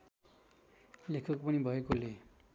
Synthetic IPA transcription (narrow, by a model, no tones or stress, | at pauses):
lekʰʌkpʌnibʱʌjekole